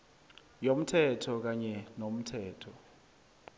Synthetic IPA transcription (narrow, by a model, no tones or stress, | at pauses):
jom̩tʰɛtʰɔk̬aɲɛnom̩tʰɛːtʰɔ